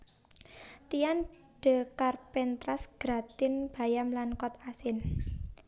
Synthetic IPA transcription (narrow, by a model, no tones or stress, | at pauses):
t̪ijan | ɖ̥ə̤karpɛnt̪ɾasɡ̥ɾa̤t̪ɪnb̥a̤jamlankɔt̪asɪn